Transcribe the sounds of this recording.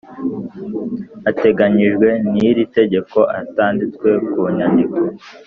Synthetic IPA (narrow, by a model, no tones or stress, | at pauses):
ate̞ɡaɲiʒɡwe̞niɾite̞ɟe̞ko̞ʔataːndit͡skwe̞kuɲandiko